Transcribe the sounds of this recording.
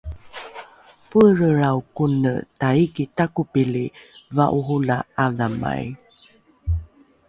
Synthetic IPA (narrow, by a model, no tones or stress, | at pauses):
pəɾəɾawkunə̰taikitakupilivaʔuɦulaavama̰j